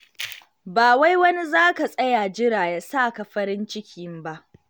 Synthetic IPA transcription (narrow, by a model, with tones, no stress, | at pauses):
baː˨wa˦jwɐ˦ni˦zaː˦ka˨sʼɐ˦jaː˨d͡ʒɪ˦ɾaː˨jaː˨saː˦˨ka˨ɸɐ˦ɾɪ˦nt͡ʃɪ˦kʲʰi˨˦mba˦ʔ